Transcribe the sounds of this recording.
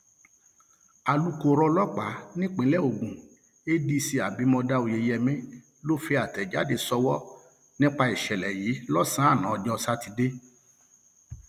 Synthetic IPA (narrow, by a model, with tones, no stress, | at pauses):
a˨lu˦ko˦˧ɾɔ˧lɔ˦k͡pa˨˦nĩ˦k͡pĩ˨˦lɛ˦˨o˨ɡũ˨ | e˦di˧si˧a˨bi˨˦mɔ̃˧da˧˦o˧˨je˧jɛ˧mɛ̃˦ | lo˦fe˧˦a˨tɛ˨d͡ʒa̰˨˦de˧sɔ˧wɔ˦ | nĩ˦k͡pa˧i˨ʃɛ˨lɛ˨jiː˨˦lɔ˦sã˦a˦˨nã˨˦ɔ˧d͡ʒɔ˦ɔ˧sa˦ti˧de˦